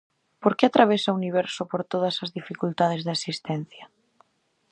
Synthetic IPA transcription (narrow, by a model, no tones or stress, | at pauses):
poɾkɪat̪ɾaβ̞esauniβ̞ɛɾsopoɾt̪oðɐsɐzðifikult̪að̞ɪzðɪasist̪ɛn̟θjɐ